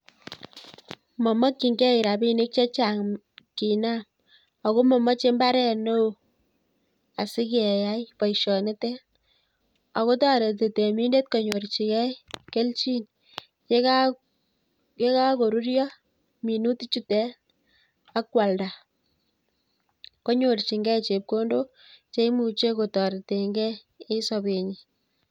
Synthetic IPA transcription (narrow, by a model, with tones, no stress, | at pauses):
mɔ˨mɔ˦kːi˨ŋɡɛ˦i˨ɾa˨bi˦ne˦k̚t͡ʃe˦t͡ʃa˨ŋ | ki˨na˦m | ɔ˨ko˦mɔ˨mɔ˦t͡ʃe˦mba˦ɾɛ˦no˦˨ | a˨si˦kɛ˨ja˦jpɔ˨jʃɔ˨ne˦tɛ˦ | a˨ko˦tɑ˦ɾe˨te˨te˨mi˦nde˦t̚kɔ˨ɲo˨ɾt͡ʃi˨kɛ˦jke˦lt͡ʃi˦n | ke˦ka | ke˦ka˦ko˨ɾu˦ɾjɔ˦ | mi˨nu˦ti˦t͡ʃu˦tɛ˦ | a˦kwa˨lda˨ | ko˦ɲo˨rt͡ʃi˨ŋɡɛ˦jt͡ʃe˨p̚ko˦ndo˦ | t͡ʃe˦i˦mu˨t͡ʃe˦ko˨tɔ˨ɾte˨ŋɡɛ˦ | e˦sɔ˨be˨ɲi˨